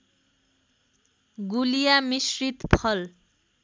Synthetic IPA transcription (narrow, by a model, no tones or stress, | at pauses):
ɡulijamisrit̪pʰʌl